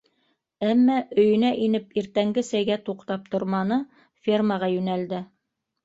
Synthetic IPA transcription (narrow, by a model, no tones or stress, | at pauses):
æmːæʔɵ̆jɵ̆næʔinɘpiɾt̪æŋɡɘsæjɡæt̪uqt̪ɑp̚t̪ŏɾmɑnɤ | fʲirməʁɑjʉnæld̪ɘ